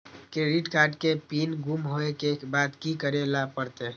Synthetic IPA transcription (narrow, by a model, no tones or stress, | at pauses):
keɾiʈkaɾɖkepinɡumɦoekebad̪kikəɾelapəɾt̪e